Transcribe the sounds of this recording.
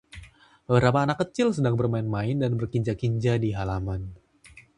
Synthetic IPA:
bəɾapaːnakːət͡ʃɪlsədaŋbərmaɪnmaɪndanbərkiɲd͡ʒakiɲd͡ʒadiɦalaman

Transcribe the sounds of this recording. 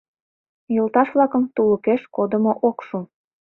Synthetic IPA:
jolt̪ɑʃβlɑkəmt̪uləkeʃkod̪əmoʔokʃum

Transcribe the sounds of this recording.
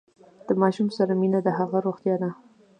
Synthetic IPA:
d̪̥əmɑʃumsaɾaminad̪əɦaɣaɾoxt̪jɑd̪a

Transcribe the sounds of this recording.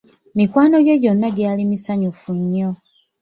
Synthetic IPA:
mikwaːnoɟoɟo̞nːaɡjaːlimisaɲufuɲːo

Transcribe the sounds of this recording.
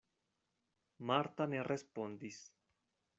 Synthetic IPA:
maɾt̪anerʔespo̞nd̪is

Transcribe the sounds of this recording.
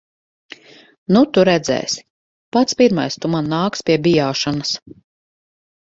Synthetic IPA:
nut̪uɾɛd̪zɛ̰ːsʲ | pat̪spʲiɾma̰jst̪umanːaːkspʲiɛbʲijaːʃanɐs

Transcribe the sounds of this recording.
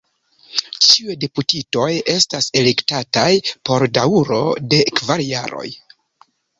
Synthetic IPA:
t͡ʃiujdeputito̞je̞stase̞lektatajpo̞ɾdauɾo̞̰de̞kvaɾja̰ɾo̞̰j

